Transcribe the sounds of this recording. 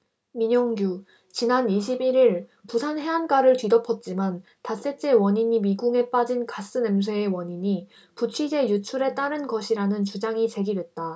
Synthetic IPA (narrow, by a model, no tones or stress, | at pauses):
miɲʌŋɡju | t͡ɕinaniɕ̬ʰibiɾiɭpusʰanɦe̞ank͈aɾɯɭtwɥidʌpʰʌt̚t͡ɕ͈iman | tas͈e̞t͡ɕ͈e̞wʌɲiɲimiɡuŋe̞p͈ad͡ʑinkas͈ɯnems̬ʰweewʌɲiɲi | put͡ɕʰɥid͡ʑe̞jut͡ɕʰuɾe̞t͈aɾɯnɡʌɕʰiɾanɯnt͡ɕud͡ʑaŋit͡ɕe̞ɡidwe̞t̚t͈a